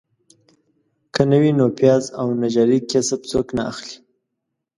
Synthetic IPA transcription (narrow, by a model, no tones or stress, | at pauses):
kənəwinopjɑzawnad͡ʒɑɾikasəbt͡soknaa̰xli̥